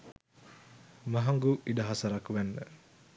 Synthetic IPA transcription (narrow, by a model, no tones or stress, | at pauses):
məɦaŋɡuʔidaɦasaɾakwɛnːə̰